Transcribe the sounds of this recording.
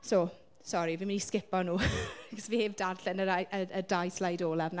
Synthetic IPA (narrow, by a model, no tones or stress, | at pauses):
so | sɔɾivimɪniskɪpɔnuːɡɔsviheːvdarɬɛnəɾajʔəədajslajdoːlˠavna